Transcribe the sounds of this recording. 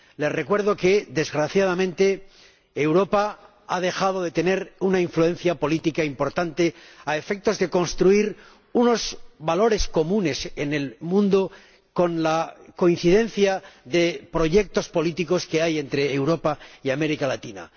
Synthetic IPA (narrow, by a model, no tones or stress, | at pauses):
le̞sre̞kwe̞ɾðo̞ke̞ðe̞zɣɾaθjaðamẽnt̪e̞ | ewɾo̞pa | að̞e̞xaðo̞ðe̞t̪e̞ne̞ɾunaiɱflue̞nθjapo̞lit̪ikaimpo̞ɾt̪ant̪e̞ae̞fek̚t̪o̞zðe̞ko̞nst̪ɾuiɾ | uno̞zβalo̞ɾe̞sko̞mũne̞se̞ne̞lmũnd̪o | ko̞nlako̞in̟θiðẽ̞nθjaðe̞pɾo̞ʝe̞k̚t̪o̞spo̞lit̪iko̞ske̞aje̞nt̪ɾe̞ːwɾo̞paiame̞ɾikalat̪ina̰